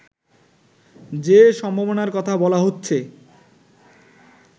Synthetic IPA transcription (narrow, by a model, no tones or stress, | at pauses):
d͡ʑeʃɔmbʱabonaɾkɔt̪ʰabɔlaɦotːɕʰe